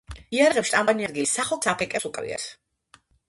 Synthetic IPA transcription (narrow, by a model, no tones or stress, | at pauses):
iaɾʁɛpfsʃt̪ʼambaniad̪ɡilisːaχɔlˠsʰapʰɛkʼɛsukʼɾḭa̰s